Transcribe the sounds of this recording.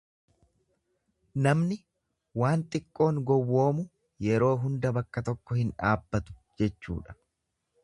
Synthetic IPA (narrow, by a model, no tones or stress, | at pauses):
nɐmnɪ | waːnt̪ʼɪkʼːo̞ːŋɡɔwːo̞ːmʊ | jɛɾo̞ːɦʊnd̪ɐbɐkːɐt̪ɔkːɔhɪnᶑaːbːɐt̪ʊ̥d͡ʒɛt͡ʃːṵːᶑɐ̥